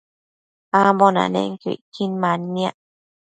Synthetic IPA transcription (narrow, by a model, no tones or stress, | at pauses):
ambona̰nḛ̃ŋkḭʔkinmãnːiaʔ